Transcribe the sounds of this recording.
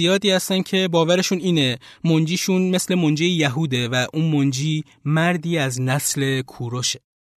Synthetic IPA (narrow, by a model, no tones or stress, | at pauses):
ijɒːd̪iːhæst̪æncʰe̞bɒːvæɾe̞ʃuniːne̞mond͡ʒiːʃunme̞sle̞mond͡ʒijejæɦuːd̪e̞væʔuːnmond͡ʒiː | mæɾd̪iːæznæsle̞kʰuːɾoʃe̥